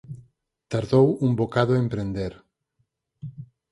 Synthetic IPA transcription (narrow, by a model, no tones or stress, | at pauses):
t̪aɾðowumbokaðoempɾend̪eɾ